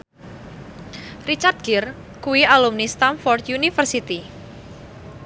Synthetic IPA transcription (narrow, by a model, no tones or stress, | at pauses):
rit͡ʃart̪̚ɡ̥ir | kuwialumnist̪anfɔrt̪junifərsit̪i